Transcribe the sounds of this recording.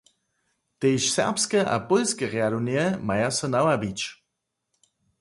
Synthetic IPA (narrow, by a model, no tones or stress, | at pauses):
t̪ejʃsɛ̰ʁpskɛʔa̰pɔlskɛʁjadonjɛmajasɔnawabit͡ʃ